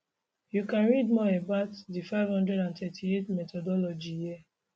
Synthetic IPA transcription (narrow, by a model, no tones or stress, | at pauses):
jukãnɹidmɔɛbaʊtdifaɪv̥hɔ̃ndɹɛɾãntɛtʰietmɛtɔdɔlɔd͡ʒijia